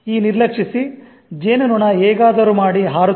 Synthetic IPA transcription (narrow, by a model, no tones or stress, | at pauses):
iːniɾlɐkʂisi | d͡ʒeːnunuɳɐɛːɡaːd̪ɐɾuːmaːɽiɦaːɾu